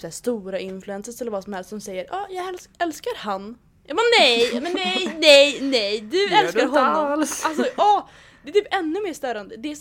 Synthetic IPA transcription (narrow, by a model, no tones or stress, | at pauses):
sæʂt̪uːɾaɪnflʉɛnsəsɛlːəɾvaːsɔmhɛlst̪sɔmsɛjːəɾʔɑːjɑːɡɛlɛlskaɾhanː | mɛnːɛjmɛnːɛjnɛjnɛjd̪ɵɛlkaɦɔnːɔalsɔɑː | dd̪ɛt̪ʰyːpɛnːɵmeːʂt̪œːɾand̪əd̪ɛːs